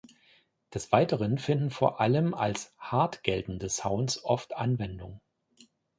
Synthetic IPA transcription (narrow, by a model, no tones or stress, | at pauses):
d̥ɛsv̥aɪtəʁ̞ənfɪndn̩foːɐʔaləma̰lshaɐtɡ̥ɛltn̩dəsaʊnsʔɔftʔanvɛndʊŋ